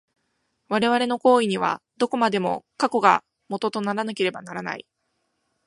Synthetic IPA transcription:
βaɾe̞βaɾe̞no̞ko̞ːiɲ̟iβ̞a̰ | d̪̥o̞ko̞mad̪e̞mo̞̰kako̞ɡa | mo̞t̪o̞t̪o̞naɾanake̞ɾe̞banaɾana̰ḭ

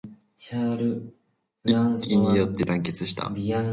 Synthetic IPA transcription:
t͡ɕaːɾɯ | iasʲiɲ̟ijo̞t̪ːe̞t̪ãŋke̞t͡sɨɕi̥t̪ʰa̰bia

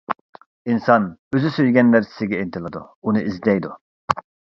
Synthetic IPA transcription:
insɑnøzysøjɡʲɛnːæɾsɪ̥sɪɡʲɛint̪ʰɪlˠɨd̪ṵunɨizd̪ɛjd̪u

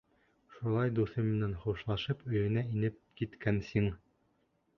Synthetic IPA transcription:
ʃulˠɑjd̪uθɤmɘ̆nænχuʃlˠɑʃɤpɵ̆jɘ̆næinɘp̚kit̪kænsiŋ

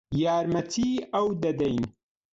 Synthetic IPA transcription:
jaːɾmɐt̪ʰiːɐwd̪ɐd̪ɐjn

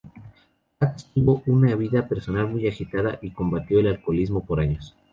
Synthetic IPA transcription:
at̪st̪uβo̞ʔunaβiðape̞ɾso̞nalmujaxit̪aðaʔiko̞mbat̪jo̞elalkolizmo̞po̞ɾaɲo̞s

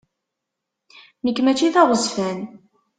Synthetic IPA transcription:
nəkːmæt͡ʃːiθɑʁəzfæn

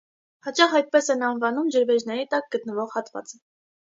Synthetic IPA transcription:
hɑt͡ʃɑχɑjt̪̚pɛsɛnɑnvɑnumd͡ʒəɾvɛd͡ʒnɛɾit̪ɑk̚ɡ̥ət̪nəvɔʁhɑt̪vɑ̰t͡sə

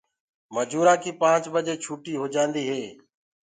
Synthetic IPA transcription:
məd͡ʒuːɾaːkiːpãːt͡ʃbəd͡ʒeːt͡ʃʰuːʈiːɦoːd͡ʒãːnd̪iːɦeː

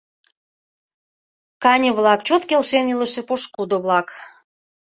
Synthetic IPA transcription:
kɑnʲəβlɑkt͡ɕot̪kelʃenilə̆ʃĕpoʃkud̪oβlɑk

